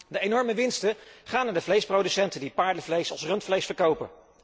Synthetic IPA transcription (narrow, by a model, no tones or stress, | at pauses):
dəejnɔɹməʋɪnstəχaːnadəvlejsprowdysɛntədipaːɹdəvlejsɑlˠsrɵntflejsfəɹkowpə̰